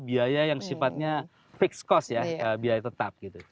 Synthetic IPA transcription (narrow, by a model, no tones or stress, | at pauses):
biajajaŋsifat̪̚ɲa | fɪkskɔsjaəbiajat̪ət̪ap̚ɡit̪u